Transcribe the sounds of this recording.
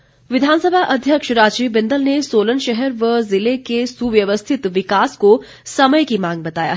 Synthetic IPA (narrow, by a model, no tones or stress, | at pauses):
ʋɪd̪ʱaːnsəbʱaʔɐd̪ʱjəkʃɾaːd͡ʒiːbɪ̃nd̪əlnesoːlənʃɛɦɛɾʋəzɪlekesuʋjɐʋəst̪ʰɪt̪ʋɪkaːsko | sɐməjkimãːŋɡ̚bɐt̪aːja̰ɦ